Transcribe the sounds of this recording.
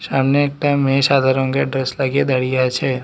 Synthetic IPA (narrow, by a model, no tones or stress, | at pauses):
saːmneeːk̚ʈaɪmːẽʃaːd̪ʱaɾõkeɖɾeslaɡed̪ɐɽijat͡ʃʰe